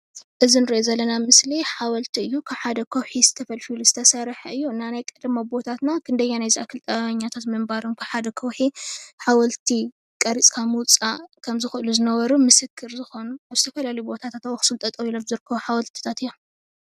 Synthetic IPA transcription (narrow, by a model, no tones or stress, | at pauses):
ʔɨzinɨɾʔozɐlːɐnamɨsliħawɐlt̪ʰiɨjːukʰaβħad̪ɐkʰɐwħizɨ̥t̪ʰɐfɐlfuluz̥ɨt̪ʰɐsɐɾħɐɨjːuɨnːanajkʼɐd̪ɨmabo̞t̪ʰat̪nakʰɨnd̪ɐɲːanajziʔakʰːɨlt̪ʼɐɲːat̪ʰat̪mɨmbaɾonkʰaβħad̪ɐkʰɐwħiħawɐlt̪ʰi | kʼɐɾit͡sʼkʰamwʊt͡sʼakʰɐmzɨxʔɨluzɨnɐβɐɾumɨsɨkʰːɨɾzɨxo̞nuaβzɨt̪ʰɐfɐlalɐjubo̞t̪ʰat̪ʰat̪awoxɨ̥sɨlt̪ʼɐt̪ʼɐwilomzɨɾkʰːɐβuħawɐlt̪ʰi̥t̪ʰat̪ɨjːom